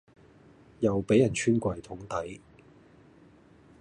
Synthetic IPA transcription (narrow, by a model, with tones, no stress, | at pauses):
jɐ˨wpe˨˥jɐ˨˩nt͡ʃʰyː˥nkʷɐ˨jt̪ʰʊ˨˥ŋt̪ɐ˨˥j